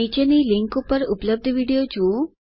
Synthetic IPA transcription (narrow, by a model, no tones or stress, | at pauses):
it͡ʃeniliŋkupəɾupləb̚d̪ʱəʋiɽijod͡ʒu